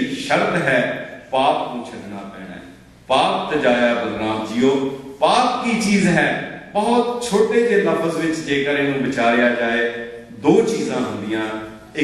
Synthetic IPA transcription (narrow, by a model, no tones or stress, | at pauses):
ʃəɾt̪ɦɛːpaːpkũːt͡ʃʰəʈnaːpɛ̰ːɽɛ̰ː | paːp̚t̪əd͡ʒaːjaːbəlnaːmd͡ʒioːpaːp̚kiːt͡ʃiːzɦɛːpəɦʊt̪t͡ʃʰoːʈeːd͡ʒeːləfəzʋɪt͡ʃd͡ʒeːkəɾeːnũːbɪt͡ʃaːɾejaːd͡ʒaːeː | d̪oːt͡ʃiːzãːɦʊ̃nd̪ɪjãː | ɪ